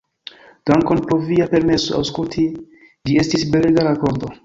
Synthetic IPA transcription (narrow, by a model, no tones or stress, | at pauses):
d̥aŋkonpoviape̞ɾme̞so̰a̰wskultʰi | d͡ʒie̞stisbeleɡaɾako̞nto̞